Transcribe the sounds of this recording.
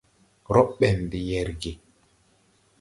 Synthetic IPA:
ɾɔ˦ɓɛ˨ndi˨jɛ˨ɾɡe˨

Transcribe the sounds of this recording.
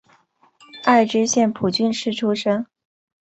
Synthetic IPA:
a˥˩ɪʈ͡ʂɻ̩˥ɕjɛ˥˩npʰu˨˩t͡ɕy˥˧nʂɻ̩˥˩ʈ͡ʂʰu˥ʂɤ˥ŋ

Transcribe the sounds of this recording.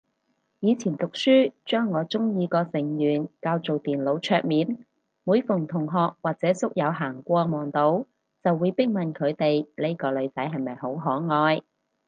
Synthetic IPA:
jiː˨˧t͡sʰiː˨˩nt̪ʊ˨k̚syː˥t͡ʃœː˥ŋːɔː˨˧t͡ʃʊ˥ŋjiː˨˧kɔː˧sɪ˨˩ŋjyː˨˩nkaː˧wt͡so˨wt̪iː˨˩nlo˨˧wt͡ʃʰœː˧k̚miː˨˧n | muː˨˧jfʊ˨˩ŋt̪ʰʊ˨˩ŋɦɔː˨k̚waː˨k̚t͡sɛː˨˥sʊ˥k̚jɐ˨˧wɦaː˨˩ŋkʷɔː˧mɔː˨˩ŋt̪o˨˥w | t͡sɐ˨wːuː˨˧jpɪ˥k̚mɐ˨nkʰɵ˨˧ɥt̪e˨jle˥kɔː˧lɵ˨˧ɥt͡sɐ˨˥jɦɐ˨jmɐ˨jɦo˨˥wɦɔː˨˥ŋɔː˨˧j

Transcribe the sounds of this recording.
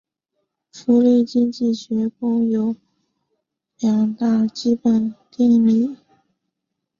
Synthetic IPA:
fu˧˥li˥˩t͡ɕi˥ŋt͡ɕi˥˩ɕɥɛ˧˥ko˥ŋjo˧˥ʊ | ljɑ˨˩ŋt̪a˥˩t͡ɕi˥pə˨˩nt̪jɛ˥˧ŋli˥˩

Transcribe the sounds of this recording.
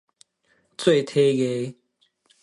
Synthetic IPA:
t͡swe˥˨ɪt̪ʰe˦ɣe˨˦

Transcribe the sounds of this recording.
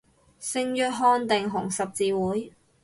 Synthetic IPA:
sɪ˧ŋjœː˧˥t̚ɦɔː˧nt̪ɪ˨ŋɦʊ˨˩ŋsɐ˨p̚t͡siː˨˧wuː˨˥j

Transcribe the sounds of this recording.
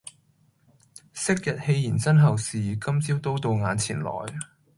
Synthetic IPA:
sɪ˥k̚jɐ˨t̚he˧jjiː˨˩nsɐ˥nɦɐ˨˩wsiː˨˩kɐ˥mt͡siː˥wt̪o˥wt̪o˧wŋaː˨˧nt͡sʰḭː˨˩nlɔ̰ː˨˩j

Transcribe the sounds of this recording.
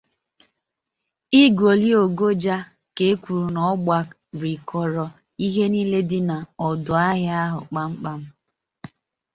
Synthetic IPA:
i˦ɡo˨li˦o˨ɡo˦d͡ʒa˦ | ke˨˦kʷu˨ɾu˨nɔ˦ɡ͡ba˦ | ɾi˨kʰɔ˨ɾɔ˨ | i˦ɦe˦ni˦le˦dɪ˦na˨ɔ˨dʊ˨a˦ɦja˦ɦʊ̰˨k͡pa˦ŋ͡m̩˦k͡pa˦m̩˦

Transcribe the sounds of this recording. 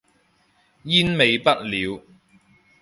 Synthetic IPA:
jiː˥nme˨˧jpɐ˥t̚liː˨˧w

